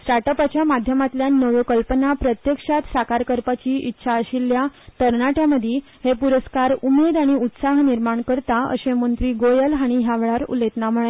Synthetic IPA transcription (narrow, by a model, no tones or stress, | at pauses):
sʈaʈəpat͡ɕjamad̪ʱjəmat̪ljanːəʋəkəlpənapɾət̪jəkʂat̪sakaɾkəɾpat͡ɕiːitːɕʰaəɕilːjat̪əɾnaʈaməd̪ʱi | hepuɾəskaɾumed̪aɽ̃iut̪saɦniɾmaɳkəɾt̪aə̰ɕẽmənt̪ɾiːɡojəlaɽ̃iɦjaʋeɭaɾṵlet̪nam̤əɭe